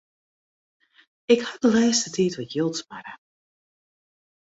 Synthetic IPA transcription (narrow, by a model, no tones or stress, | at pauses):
ɪkhadəlɛːstətʰiːtʋɔtjɪlˠtmarə̰